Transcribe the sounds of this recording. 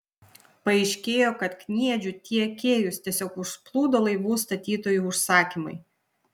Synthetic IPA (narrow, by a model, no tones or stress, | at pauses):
pɐɛɪʃʲkʲeːjoːkɐt̪knʲiɛd͡ʒʲʊt̪ʲiɛkʲeːjʊst̪ʲiɛsʲoːkʊʃsplˠuːd̪oːlˠɐɪʋuːst̪ɐt̪ʲiːt̪oːjuːˑʊʃsɑːkʲimɐɪ